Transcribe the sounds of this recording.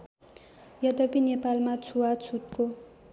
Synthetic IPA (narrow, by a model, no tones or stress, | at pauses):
jad̪ɔpinepalmat͡sʰuwat͡sʰut̪̚ko